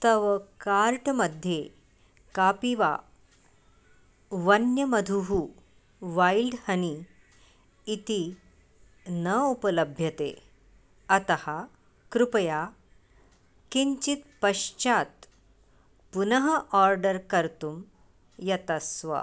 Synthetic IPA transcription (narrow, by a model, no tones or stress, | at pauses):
t̪əʋəkaɾʈməd̪ʱje | kapiʋa̰ | ʋɐnjəmɐd̪ʱuɦu | ʋajilɖhɐni | t̪i | nəupələbʱjɐt̪ḛ | ɐt̪ɐha | kɾupɐja | kiɲt͡ɕit̪̚pɐɕt͡ɕat̪ | punəɦɐʔɔɾɖəɾkəɾt̪um | jɐt̪əsʋə̰